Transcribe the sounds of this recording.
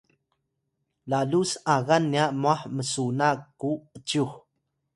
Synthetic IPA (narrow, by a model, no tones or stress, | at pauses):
lalusaɣanːiaʔmuaħməsunakːuət͡ʃuħ